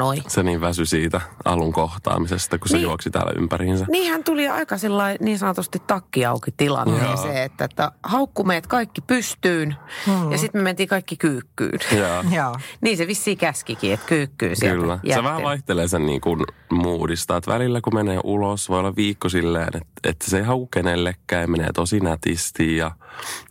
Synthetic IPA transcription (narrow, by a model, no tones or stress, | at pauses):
oiseniːʋʋæsysiːt̪æɑ̰luŋkoht̪ɑ̰ːmisest̪ɑkusijuoksit̪æ̰ːl̰y̰mpæɾiːnsæniːhænt̪uliɑ̰ikɑsilːɑiniːnsɑnot̪ost̪it̪ːɑkːiɑukit̪ilɑ̰nːɑseet̪ːæet̪ːæhɑukːumeːt̪kɑikːipyst̪yːnjɑsit̪mement̪iːkɑikːikyːkːy̰ːnjɑːniːseʋisːiːkæskikiːet̪kyːkːy̰ːsḭyllːæjɑsseʋæhælɑiht̪eleːsennḭːŋkunmuːdist̪ɑːet̪ʋæ̰lilːækumeneːʔulosʋojolːɑʋʋiːkːosilːḛːnḛt̪ḛt̪ːæ̥seiɦɑukukenelːekːæːjɑmenḛːt̪osinæt̪ḭst̪iːjɑ